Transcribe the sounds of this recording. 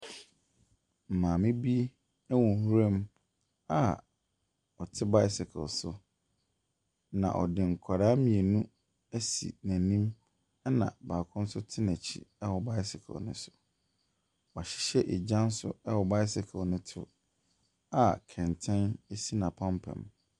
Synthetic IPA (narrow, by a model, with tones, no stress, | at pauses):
m̩˨mãː˨mɪ̃˦bi˦ | ɛ˦wɔ̃˨hu˦ɾɛ˦m | a˦ | ɔ˨tʰɪ˦ba˦ɪ˦sɪ˨kʰɛ̰˨lsʊ˨ | nã̰˨ʔɔ̰˨dɪ̃˨ŋ̩˨kʷʰa˨ɾaː˦mĩ˨e˨nũ˦ | æ˦sḭ˨næ̃˨nĩ˦m | ɛ˦nã̰˨baː˨kʰʊ̃˦n̩˦sʊ˦tʰɪ˦næ̃˨t͡ɕʰḭ˨ɛ˦wɔ˨ba˦ɪ˦sɪ˨kʰɛ̰˨lnɪ̰̃˦sʊ̥˦˨ | ɔ˨a˨ɕɪ̥˦ɕɛ˦ʔe˨d͡ʑã˦n̩˦sʊ̰˦ɛ˦wɔ˨ba˦ɪ˦sɪ˨kʰlnɪ̃˦tʰʊ˨ | a˦˨kʰɛ̃˨ntʰɛ̃˦ne˦si˦nã˨pʰã˦mpʰɛ̰̃˨m